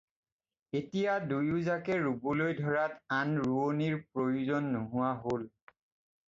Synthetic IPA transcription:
etijadujuzakɛɹubulojdʱɔɹatanɹuoniɹpɹojuzɔnːuɦʊwaɦol

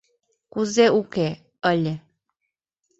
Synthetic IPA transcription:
kuzeuke | ələ

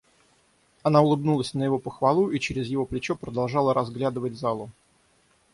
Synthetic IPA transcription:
ɐnaʊlˠɨbnulˠəsʲnəjɪvo̞pəxvɐlˠuʔit͡ɕɪɾʲɪzjɪvo̞plʲɪt͡ɕopɾəd̪ɐlˠʐɑlˠəɾɐzɡlʲad̪ɨvəd̚ʲzalˠʊ

